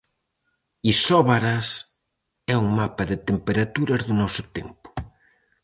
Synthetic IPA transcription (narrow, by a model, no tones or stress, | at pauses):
isɔβaɾas | ɛuŋmapaðɪt̪empeɾat̪uɾɐzðʊnɔsʊt̪empʊ̥